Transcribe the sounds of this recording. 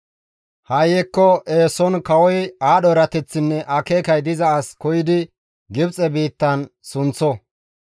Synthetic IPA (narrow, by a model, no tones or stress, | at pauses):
hɐjɛkːɔʔeːsɔnkɐwɔjaːɗɔɾɐt̪ɛt͡sːɪnːɛʔɐke̞ːkɐjd̪ɪzɐɐskɔjɪd̪ɪ | ɡɪbt͡sʼɛbiːt̪ːɐnsʊnt͡sːɔ